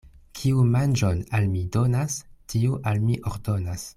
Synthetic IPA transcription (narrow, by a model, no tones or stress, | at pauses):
kʰiumand͡ʒonalmido̞nastʰiuʔalmiʔoɾdo̞nas